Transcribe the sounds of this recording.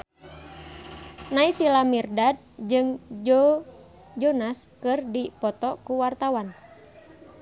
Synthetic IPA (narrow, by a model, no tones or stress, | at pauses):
naisilamirdad̚d͡ʒɨŋ | d͡ʒɔnaskɨrdipɔt̪ɔkuwart̪awan